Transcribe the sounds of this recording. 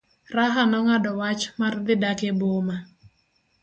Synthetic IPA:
raɦanɔŋadɔwat͡ʃmard̪ɪdakeboma

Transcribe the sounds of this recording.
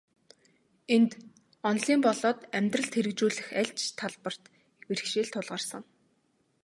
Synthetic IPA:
ent̪ | ɔnɮiːmpɔɮɔːt̪æmʲt̪rə̆ɮt̪ʰeɾɘ̆kt͡ɕuːɮɘ̆xæɮt͡ɕt̪ʰaɮpə̆r̥t̪ | weɾɘ̆kʃeːɮt̪ʰʊɮʁə̆rsə̆ŋ

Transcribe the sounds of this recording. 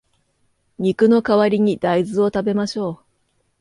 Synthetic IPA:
ɲ̟ikɯ̟no̞kaβaɾʲiɲ̟id̪̥aizɨo̞t̪abe̞maɕo̞ː

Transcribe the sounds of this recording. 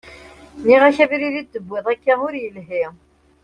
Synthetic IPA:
niʁæçæviɾiðid̪ːəbːɪðˤækːæmʊɾjəlɦi

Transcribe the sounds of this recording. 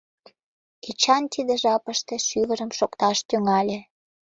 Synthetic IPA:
ket͡ɕɑnt̪id̪ĕʒɑpəʃt̪eʃyβəɾəmʃokt̪ɑʃt̪yŋɑlʲe

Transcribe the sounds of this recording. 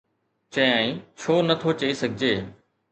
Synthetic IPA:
t͡ɕɐ̃aːĩt͡ɕʰoːnɐt̪ʰot͡ɕɐisɐɡʱɪd͡ʑeː

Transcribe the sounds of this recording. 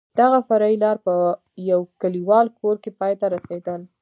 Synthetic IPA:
d̪̥aɣafaɾɑilɑɾpə | jawkaliwɑlkʰoɾkepɑjt̪aɾased̪əl

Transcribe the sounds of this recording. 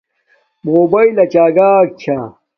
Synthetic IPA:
moːbɐilɐt͡ɕaːɡaːk̚t͡ɕʰa

